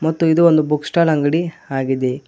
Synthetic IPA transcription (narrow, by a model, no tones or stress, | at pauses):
mɐt̪ːuid̪uond̪ubuksʈaːlɐŋɡɐɽiaːɡid̪e